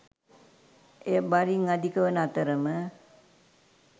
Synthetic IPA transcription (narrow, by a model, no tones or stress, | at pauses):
eəbaɾiŋad̪ikəʋənat̪əɾəmə